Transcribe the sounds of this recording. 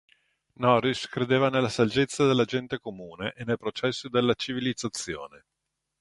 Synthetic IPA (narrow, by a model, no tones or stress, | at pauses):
nɔɾiskɾed̪eːvanelːasald͡ʒet̪sːad̪elːad͡ʒɛnt̪ekomuːneʔenːelpɾot͡ʃɛsːod̪elːat͡ʃivilid̪zat̪sːjo̰ːne